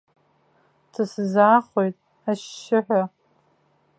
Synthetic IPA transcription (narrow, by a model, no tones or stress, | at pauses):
tʰɨsɨzaːχojtʼ | aʃːɪħᶣʷa